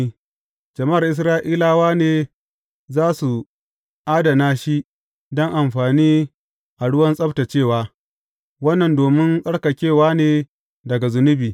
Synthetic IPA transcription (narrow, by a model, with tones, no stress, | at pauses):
d͡ʒɐ˨ma˦˨rʔɪ˦s̬ɾaː˦ʔiː˦laː˨waː˦neː˨ | zaː˦su˨ | ʔaː˦dɐ˨naː˦ʃi˦ʔ | dɔ˦ŋʔa˨mɸaː˨niː˦ | ʔa˨ɽʊ˦wɐ˦nsʼɐ˦bta˨t͡ʃeː˦˨waː˦ | wɐ˦nːɐ˨ndoː˨mɪ˦ŋkʼɐ˦ɽka˨kʲeː˦˨waː˦neː˨ | dɐ˨ɡa˨zʊ˨nʊ˦biː˨